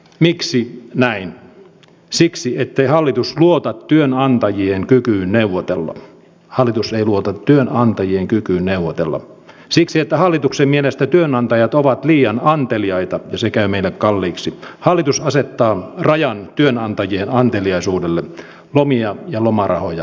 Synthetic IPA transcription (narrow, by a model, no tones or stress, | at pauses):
miksinæin | siksiet̪ːeihɑlːit̪usluot̪ɑt̪tyønɑnt̪ɑjieŋkykyːnneuʋot̪ḛlːɑ̰ | hɑlːˑit̪useiluot̪ɑt̪tyønɑnt̪ɑjieŋkykyːnneuʋːot̪elːɑ̰ | siksiet̪ːæhɑlːit̪uksemmielest̪æt̪yønɑnt̪ɑjɑt̪oʋɑt̪liːɑnɑnt̪eliɑit̪ɑjɑsekæymeilːekkɑlːiːksihɑlːˑit̪usɑset̪ːɑːrɑjɑnt̪yønɑnt̪ɑjienɑnt̪eliɑisuːdelːe | lomiɑjɑlomɑrɑ̰hojɑ